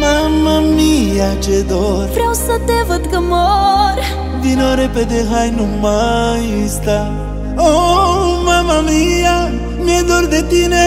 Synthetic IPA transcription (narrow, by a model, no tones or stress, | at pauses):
mamamijat͡ʃɛd̪ɔɾpɾɛwsɐd̪ɛvət̪ɡəmoɾ | vinɔɾɛpɛd̪ɛxajnumajist̪a | omamamija | miɛd̪ɔɾd̪ɛt̪inɛ